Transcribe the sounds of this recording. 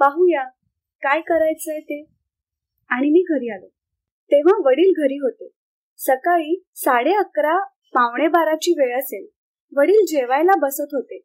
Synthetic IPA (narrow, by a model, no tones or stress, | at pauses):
paɦuja | kajkəɾajt͡səjt̪e | aɽ̃imiːɡʱəɾiːalə | t̪eʋ̤aʋəɽiːlɡʱəɾiːɦot̪e | səkaɭiːsaɽeəkɾa | pãʋɳ̃ebaɾat͡ɕiːʋeɭəsel | ʋəɽiːld͡ʑeʋajlabəsət̪ɦot̪e